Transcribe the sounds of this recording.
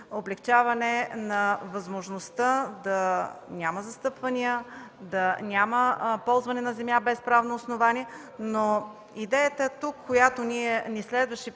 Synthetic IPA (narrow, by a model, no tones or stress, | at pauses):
oblɛkt͡ʃavɐnɛnɐvɐzmoʒnost̪əd̪ɐnʲaməzɐst̪ɤpvɐniəd̪ɐnʲaməpɔlˠzvɐnɛnɐzɛmjabɛspɾavnoːsnovanʲiɛ | no | id̪ɛjət̪ət̪ukʰːojat̪oniɛnislɛd̪vɐʃɛ